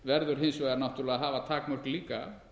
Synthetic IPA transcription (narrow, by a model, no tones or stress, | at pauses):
vɛɾðʏɾ̥ɦejnsvɛɾnaht̪ʏlɛɣaɦaːvat̪ʰaːkmœhliːka̰